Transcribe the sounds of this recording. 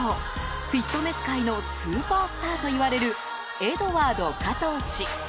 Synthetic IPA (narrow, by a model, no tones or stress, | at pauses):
o | ɸʲit̪ːo̞ne̞sɨ̥kaino̞sɨːpaːsɨ̥t̪aːt̪o̞iβaɾe̞ɾɯ̟ | e̞d̪o̞βaːd̪o̞kat̪o̞ːɕi